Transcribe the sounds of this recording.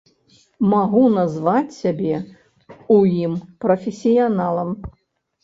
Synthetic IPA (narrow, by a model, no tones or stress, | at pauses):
maɣunazvat͡sʲsʲabʲɛ | ujimpɾɐfʲɪsʲijanalˠɐm